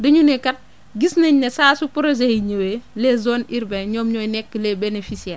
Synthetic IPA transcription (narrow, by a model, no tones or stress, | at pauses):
dɐɲunɛkɐt̚ | ɡisnɐɲnɐsaːsupɾɔzehiɲɐwelɛzɔːniɾbɛɲɔːmɲɔːjnɛkːəlɛbenefisiɛː